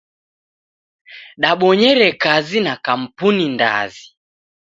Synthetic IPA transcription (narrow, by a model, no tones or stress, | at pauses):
ɗaɓɔɲɛɾɛkazinakam̩puninda̰zi